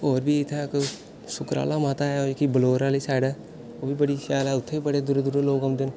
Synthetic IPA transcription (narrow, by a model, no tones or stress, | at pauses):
oːɾbiːɪt̪ʰːek | sʊkɾa̰ːlaːmaːt̪aːɛːokiːbəloːɾaːliːsaːɽaː | oːbiːbəɽiːsaːlɛːʊt̪ʰːeːibəɽeːd̪ʊɾeːd̪ʊɾeloːkəmd̪eːn